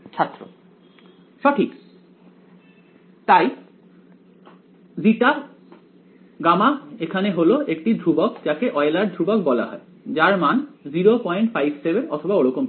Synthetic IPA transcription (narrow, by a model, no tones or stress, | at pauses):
t͡ɕʰat̪ːɾo̰ | ʃɔʈʰik | t̪aj | ziʈa | ɡamaekʰaneɦoloʔekʈid̪ʱɾubokd͡ʑakeʔɔelaɾd̪ʱɾubok̚bɔla̰ɦɔ̰e | d͡ʑaɾmanziɾopɔjɳʈfajbsebeɾɔ̰t̪ʰobaoɽokom